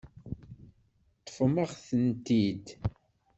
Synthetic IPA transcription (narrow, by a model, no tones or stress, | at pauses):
t̪ˤːə̥fməʁθənt̪id̪